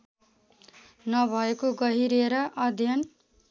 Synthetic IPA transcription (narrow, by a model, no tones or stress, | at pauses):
nʌbʱʌekoɡʌɦiɾeɾʌʔʌd̪ʱjʌn